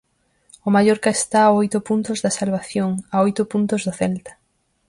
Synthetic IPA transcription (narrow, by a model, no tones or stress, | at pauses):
ʊmajoɾkaest̪aːojt̪ʊpunt̪ʊzðasalβaθjoŋaojt̪ʊpunt̪ozðoθɛlt̪ḁ